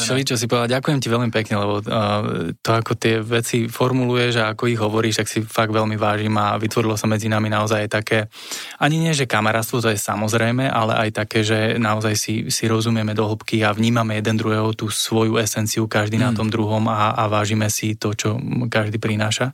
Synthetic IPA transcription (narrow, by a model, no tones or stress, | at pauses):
ʃɛlit͡ʃɔs̬ipɔʋɛd̪aɟakujɛmciʋɛlmipɛkɲɛlɛbɔ | t̪ɔakɔt̪ɪɛʋɛt͡sifɔɾmulujɛʒaakɔiɣɦɔʋɔɾiːʃt̪aksifaɡ̚d̪ʋɛlmiʋaːʒiːmaʋit̪ʋɔɾilɔsamɛd͡zinaminaɔzajajt̪akɛː | aɲiɲɪɛʒɛkamɛɾaːtst̪ʋɔt̪ɔjɛsamɔzɾɛjmɛʔalɛ̰ʔajt̪akɛːʒɛnaɔzajsisiɾɔzumɪɛmɛd̪ɔɦl̩pkiaʋɲiːmamɛjɛd̪ɛnd̪ɾuɦɛːɦɔt̪uːsʋɔjuɛsɛnt͡siukaʒd̪inat̪ɔmd̪ɾuɦɔmaːʋaːʒimɛsit̪ɔt͡ʃɔkaʒd̪iːpɾinaːʃa